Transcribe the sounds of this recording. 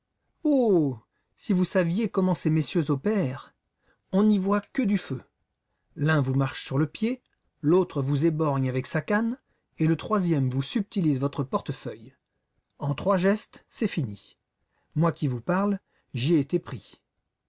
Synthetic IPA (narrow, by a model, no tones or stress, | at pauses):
o | sivusavjekɔmɑ̃sɛmesjøzopɛʁ | ɔ̃nivwakəd̪yfø | lɛ̃vumaʁʃsyʁləpje | lot̪χəvuzebɔʁɲavɛksakan | elət̪χwazjɛmvusyp̚t̪ilizvɔt̪χəpɔʁt̪əfœj | ɑ̃t̪χwaʒɛst̪sɛfini | mwakʲivupaʁl | ʒiɛːt̪epχi